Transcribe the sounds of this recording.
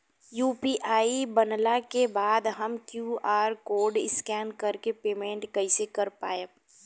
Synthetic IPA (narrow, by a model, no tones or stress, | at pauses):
juːpiːʔaːibɐnlakebaːd̪ɦɐmkjuːaːɾkoːɾɖɪskɛːnkɐɾkepeːmẽɳʈkɐisekɐɾpa̰ːe